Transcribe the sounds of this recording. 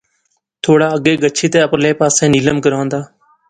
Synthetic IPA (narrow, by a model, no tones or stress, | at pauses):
t̪ʰoːɽaːəɡeːɡət͡ʃʰiːt̪ẽːəpleːpaːsẽːniːləmkəɾãːnd̪aː